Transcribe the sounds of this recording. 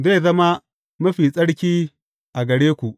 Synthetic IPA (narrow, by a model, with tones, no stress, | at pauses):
ze˦˨zɐ˦ma˦ | mɐ˦ɸi˨sʼɐ˦ɽkʲiː˦ | ʔa˨ɡɐ˨ɽeː˦kʷu˨ʔ